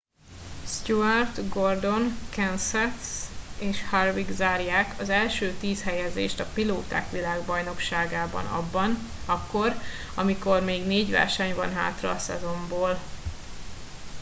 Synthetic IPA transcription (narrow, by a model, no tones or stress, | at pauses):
st̪uart̪ɡo̞rd̪o̞nkɛnsɛt̪seːʃharviɡzaːrjaːkʰɒzɛlʃøːt̪iːshɛjɛzḛːʃt̪ɒpiloːt̪a̰ːkʋilaːɡbɒjno̞kʃaːɡaːbɒ̰nɒ̰bːɒn | ɒkːo̞r | ɒmiko̞rmeːɡneːɟʋɛ̰rʃɛɲvɒ̰nɦa̰ːt̪rɒ̰ːsɛ̰zo̞mboːl